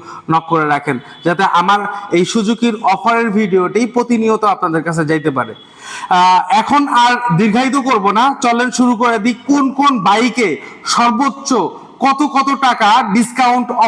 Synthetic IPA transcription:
nɔkːoɾeɾakʰen | d͡ʑat̪eʔamaɾejʃud͡ʑukiɾɔfʰaɾeɾbʱiɖioʈijpɾot̪iniot̪oapnad̪eɾkat͡ɕʰed͡ʑajt̪ep̬a̰ɾḛ | ɛkʰonaɾd̪iɾɡʱait̪̬okoɾbonat͡ɕɔlːenʃuɾukoɾed̪ikkonkonbajkeʃɔɾbotːɕo | kɔt̪okɔt̪oʈakaɖiskawɳʈɔ

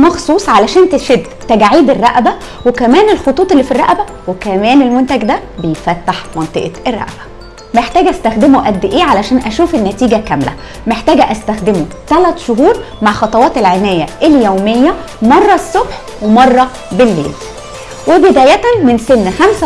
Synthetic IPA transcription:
mɑxsˤuːsˤʕalæʃæːnt̪eʃed̪ | t̪æɡʕiːd̪erːæʔbæ | wekæmæːnelxot̪ˤuːt̪ˤelːiːfirˤːɑ̰ʔbæ | wekæmæːnelmont̪æɡd̪æbejefæt̪ːaħmɑnt̪ˤḛʔʔerˤːɑ̰ʔb̥æ̥ | meħt̪æːɡʔæst̪æxd̪emoʔæd̪ːʔeːʕalæʃæːnʔæʃuːfenːæt̪iːɡækæmlæ̰ | meħt̪æːɡæʔæst̪æxd̪emot̪ælæt̪ʃoɦuːɾ | maʕxɑt̪ˤɑwɑːt̪elʕenæːjːæʔeljoːmejːæ | mɑrˤːɑsˤːobħ | wemɑrˤːɑ | belːḛːl | webed̪æːjæt̪ænmensenːxæmsæ

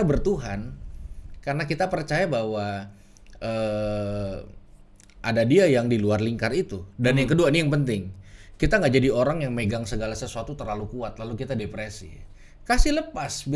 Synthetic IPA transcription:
abərt̪uɦan | karənakit̪apərt͡ʃajabawa | əː | ʔadadiajaŋdiluarliŋkarit̪udanjaŋkəduainijaŋpənt̪ɪŋkit̪aŋɡaʔd͡ʒadioɾaŋjaŋmeɡaŋsəɡalasəsuat̪ut̪ərlalukuat̪̚lalukit̪adepɾesḭ | kasɪhləpasbi

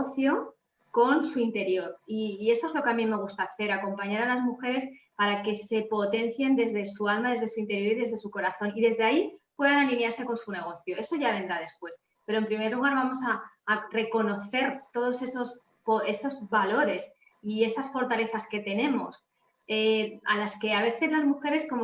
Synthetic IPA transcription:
oθjo̞ | ko̞nsuint̪e̞ɾjo̞ɾiːe̞so̞e̞zlo̞keamimːe̞ɣ̞ust̪aːθe̞ɾako̞mpaɲaɾalazmuxe̞ɾe̞spaɾake̞se̞po̞t̪e̞n̟θje̞nd̪e̞zðe̞sualmaðe̞zðe̞suint̪eɾjo̞ɾiðe̞zð̞e̞suko̞ɾaθo̞niðe̞zðeaipwe̞ðanalĩmjaɾse̞ko̞nsune̞ɣ̞o̞θjoe̞so̞ʝaβ̞e̞nd̪ɾað̞espwe̞s | pe̞ɾo̞e̞mpɾime̞ɾluɣ̞aɾβamo̞saːre̞ko̞no̞θe̞ɾt̪o̞ð̞o̞se̞so̞s | poe̞so̞zβalo̞ɾe̞s | ie̞sasfo̞ɾt̪ale̞θaske̞t̪e̞nẽ̞mo̞̰s | ea̰laske̞aβ̞e̞θe̞zlazmuxe̞ɾe̞sko̞m

